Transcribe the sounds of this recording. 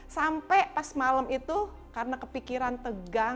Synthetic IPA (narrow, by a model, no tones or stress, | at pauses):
sampɛpasmaləmit̪u | kaɾənakəpikiɾant̪əɡa